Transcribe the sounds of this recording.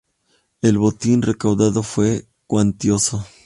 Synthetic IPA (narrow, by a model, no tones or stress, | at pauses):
e̞lβo̞t̪inre̞kawðaðo̞fwe̞ | kwant̪jo̞so